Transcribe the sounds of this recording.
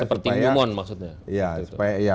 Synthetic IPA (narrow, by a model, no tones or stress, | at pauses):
əspərt̪iajumɔnmaksut̪̚ɲaijau̥pajaja